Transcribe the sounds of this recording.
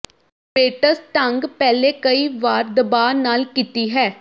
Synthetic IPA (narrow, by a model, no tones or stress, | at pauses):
peːʈəsʈəŋɡpɛːleːkəiːʋaːɾd̪əbaːnaːlkit̪iːɦɛː